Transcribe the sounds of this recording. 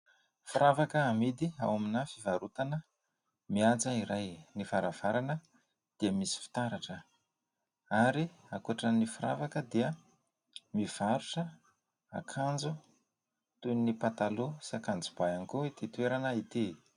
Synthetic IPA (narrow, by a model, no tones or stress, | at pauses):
fuɾavakəːmid̪ia̰waminafivaɾut̪anə | miat͡saiɾajnifaɾav̥aɾanə | d̪̥iəmisi̥fi̥t̪aɾaʈ͡ʂə | aɾi | akuaʈ͡ʂənifuɾa̰vakəd̪iə | miv̥aɾuʈ͡ʂə | a̰kʰand͡zu | t̪unipat̪alusakand͡zubaaŋikuit̪it̪uweɾanəit̪i